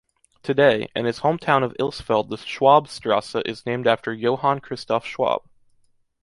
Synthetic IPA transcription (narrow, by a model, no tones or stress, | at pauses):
tʰɨdeɪɨ̰̃nɨz̥hõʊ̃mtʰãʊ̃nʌvɪ̰lˠsfɛlˠd̪̚ðəʃwɑbstɹ̥ɑsəʔɨznẽɪ̃mdæftʰə˞joʊhɑ̃nkʰɹ̥ɪstɔfʃwɑ̰b̥